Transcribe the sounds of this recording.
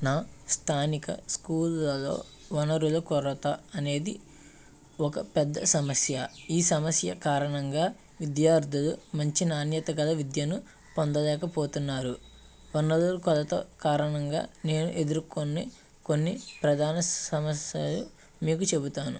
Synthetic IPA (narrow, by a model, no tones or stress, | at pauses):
naːst̪ʰaːnikɐ̰skuːlːɐlo̞̰ː | ʋɐnɐɾulɐkɔɾɐt̪ɐɐne̞ːd̪i | ɔkɐpɛd̪ːɐsɐmɐsjɐiːsɐmɐsjɐkaːɾɐɳɐŋɡaː | ʋid̪jaːɾd̪ʱɐlumɐɲt͡ʃinaːnjɐt̪ɐɡɐlɐʋid̪jɐnu | pond̪ɐlɛːkɐpoːt̪unːaːɾu | ʋɐnɐɾulɐkɔlɐt̪o̰ːkaːɾɐɳɐŋɡa̰ːne̞ːnuʔe̞d̪uɾkonːeː | ko̞nːipɾɐd̪ʱaːnɐɐmɐsjɐlu | miːkut͡ʃe̞but̪aːnu